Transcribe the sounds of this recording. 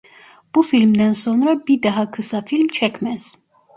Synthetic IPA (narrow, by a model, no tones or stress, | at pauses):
b̥ufilmd̪ɛnsɔnɾəbid̪ɛɦɑkʰəsɑfilmt͡ʃʰɛkʰmɛz̥